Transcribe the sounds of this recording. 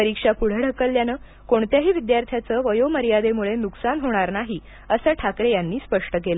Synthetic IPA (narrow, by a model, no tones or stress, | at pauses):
əɾikʂapuɽ̤əɽ̤əkːəlːjanəː | koɳt̪jaɦiːʋid̪jaɾt̪ʰjat͡səːʋəjoməɾijad̪emuɭenuksanɦoɽ̃aɾnaɦiː | əsəʈʰakɾejanːiːspəʂʈəkelə